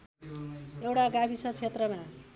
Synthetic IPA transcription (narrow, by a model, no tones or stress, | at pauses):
ewʈaɡapʰisʌt͡sʰet̪rʌma